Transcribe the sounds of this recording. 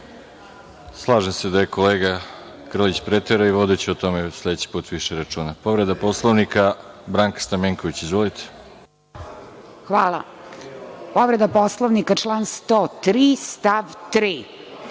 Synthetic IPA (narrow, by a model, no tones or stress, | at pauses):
slˠaːʒemse̞d̪ajekoleːɡa | kr̩lit͡ɕpɾet̪eɾaiʋo̞d̪et͡ɕeot̪o̞mesle̞d̪et͡ɕi̥puːt̪ʋiʃeɾat͡ʃuːnapo̞ʋɾed̪aposlˠoʋnika | bɾaːŋkḁst̪ameŋkoʋit͡ɕizʋolit̪ʰe̥ | xʋaːla̰ | poʋɾed̪aposlˠoʋnikat͡ʃlˠaːnst̪ot̪ɾist̪aʋt̪ɾiː